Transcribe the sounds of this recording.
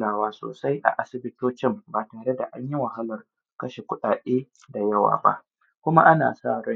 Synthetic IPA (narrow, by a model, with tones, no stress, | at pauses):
naː˨waː˦so̰ː˨sa˦jʔa̰˨ʔa˦sɪ˨bɪ˦toː˦t͡ʃɪ˦mbaː˨taː˨ɽe˦da̰˨ʔa˦ɲji˦wɐ˨ha˦lɐ˨r | kɐ˦ʃe˨kʷʊ˦ɗaː˨ɗeː˦ | da˨jɐ˦wa̰ː˨ba̰˦ʔ | kʷʊ˦ma̰˦ʔa˦na̰ː˨saː˦˨ɽɔ˦